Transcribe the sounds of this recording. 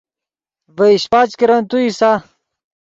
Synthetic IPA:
veiɕpat͡ɕkiɾɐnt̪uisa

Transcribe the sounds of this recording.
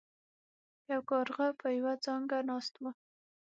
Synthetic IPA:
jawkɑɾɣapʰəjwad͡zɑŋɡanɑst̪ma

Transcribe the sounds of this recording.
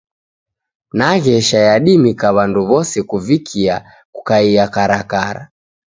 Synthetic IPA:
naɣɛʃajaɗimikaβanduβɔsɛkuvikʰia | kukaiakaɾakaɾa̰

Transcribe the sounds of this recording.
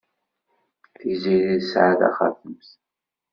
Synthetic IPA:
θiziðiðsʕaða̰χa̰θəmθ

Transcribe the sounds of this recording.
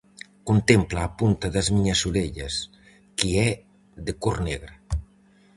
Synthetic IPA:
kunt̪emplaːpunt̪aðazmiɲasuleʎɐs | kiɛ | ðekurneɣɾa

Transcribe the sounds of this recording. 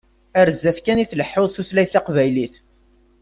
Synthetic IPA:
əɾzːæfkæniθləħːoðˤθuθlæjθɑqvæjliθ

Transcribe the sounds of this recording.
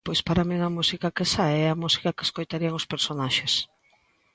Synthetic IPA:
pojspaɾamiŋɐmusikɐkesaeɛɐmusi̥kɐkeskojt̪aɾiɐŋospeɾsonaʃes

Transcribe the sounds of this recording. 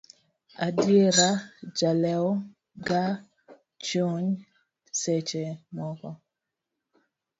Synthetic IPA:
a̰djeɾad͡ʒalɛɔ | ɡa | t͡ʃoɲ | set͡ʃemɔkɔ

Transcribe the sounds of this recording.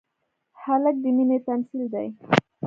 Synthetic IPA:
halək̚d̪əminet̪amsild̪a̰j

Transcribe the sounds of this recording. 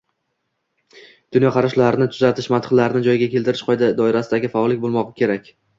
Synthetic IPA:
d̪̥ʊnjɒqʰɑɾaʃlaɾɪnɪt̪ʰʊzat̪ʰɪʃmant̪ʰɨ̥χlaɾɪnɪd͡ʒɒjɡʲakʲʰe̞lˠt̪ʰɪɾɪʃqʰɒjd̪ɪd̪ɒɪɾasɪd̪aɡʲɪfaɒlˠɪk̚ʲbolˠmɒʁɨkʲʰe̞ɾakʲ

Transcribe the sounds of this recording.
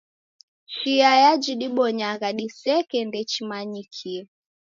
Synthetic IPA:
ʃiajad͡ʒiɗiɓɔɲaɣaɗisɛkɛndɛt͡ʃimaɲikʰi

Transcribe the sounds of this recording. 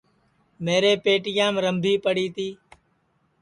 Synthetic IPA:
meːɾeːpeːʈɪjãːmɾəmbʱiːpəɽiːt̪iː

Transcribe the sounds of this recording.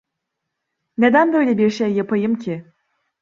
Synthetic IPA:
ne̞d̪ænbø̞jlʲebiɾʃejːapʰajɯmcʰɪ

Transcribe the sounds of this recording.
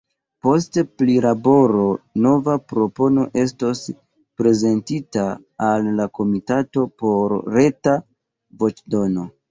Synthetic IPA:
po̞s̬teplilabo̞ɾo̞no̞vapɾo̞po̞no̞̰ʔe̞s̬to̞s | pɾe̞ze̞ntitaː | lːako̞mitato̞po̞ɾɾe̞ta | vo̞t͡ʃdo̞no̞

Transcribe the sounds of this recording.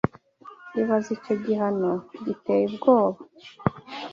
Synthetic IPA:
iβazico̞ɟiɦanoɟiteːjibɡoːβa

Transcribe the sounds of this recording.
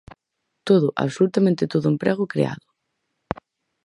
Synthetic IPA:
t̪oðʊʔa̰βsolut̪amẽnt̪ɪt̪oðʊempɾɛɣʊkɾḛa̰ðʊ

